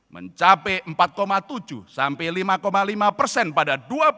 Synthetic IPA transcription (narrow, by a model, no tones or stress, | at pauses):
mʔə̰ɲt͡ʃapɛəmpat̪̚komat̪ud͡ʒṵsampɛlimakomalimapərsɛnpadadua